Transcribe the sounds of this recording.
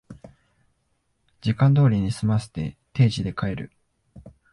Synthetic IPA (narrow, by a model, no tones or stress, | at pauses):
d͡ʑikãnd̪o̞ːɾʲiɲ̟isɨmase̥t̪e̞̰t̪e̞ːʑid̪e̞kae̞ɾɯ̟̰